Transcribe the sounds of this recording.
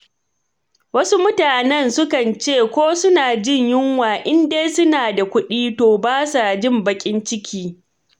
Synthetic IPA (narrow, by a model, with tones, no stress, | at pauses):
wɐ˦su˦mʊ˦taː˨nɛ˦nsʊ˦kɐ˨nt͡ʃeː˦˨kʷoː˦sʊ˦naː˨d͡ʒɪ˦˨ɲjɪ˦ŋwaː˨ʔɪ˦ndeː˦jsʊ˦naː˨da˨kʷʊ˦ɗiː˦toː˨baː˦sa˨d͡ʒɪ˦˨mbɐ˨kʲʼɪ˦nt͡ʃɪ˦kʲʰiː˦